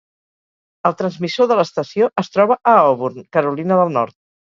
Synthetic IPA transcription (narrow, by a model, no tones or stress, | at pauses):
əlˠt̪ɾənzmisoðələst̪əsioʔəst̪ɾɔβəʔəɔβuɾnkəɾulinəðəlˠnɔ̰ɾt̪̚